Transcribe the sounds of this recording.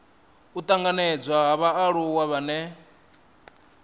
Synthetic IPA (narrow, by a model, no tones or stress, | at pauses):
ut̪ʼaŋɡanɛd͡zwaɦaβaaɺuwaβanɛ